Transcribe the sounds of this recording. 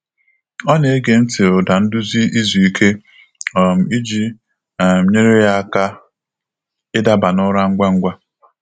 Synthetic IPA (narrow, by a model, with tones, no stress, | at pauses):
ɔ˦ne˨e˦ɡe˨n̩˦tɪ˨ʊ˨da˨n̩˦dʊ˦zi˦ʔi˦zu˨i˦kʰe˦ | ɔ˨m̩˨i˦d͡ʒi˦ | a˨m̩˦ɲe˦ɾe˦ja˦a˦ka˦ | ɪ˦da˦ba˨nʊ˦ɾa˦ŋ̩˦ɡʷa˦ŋ̩˦ɡʷa˦